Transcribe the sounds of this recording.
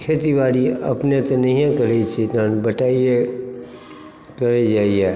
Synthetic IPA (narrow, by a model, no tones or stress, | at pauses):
kʰet̪iʋaːɾiɐ̰pnet̪enɐɦĩẽkɐɾet͡ʃʰit̪ãːnbəʈaːie | kɐɾed͡ʒaːiɛ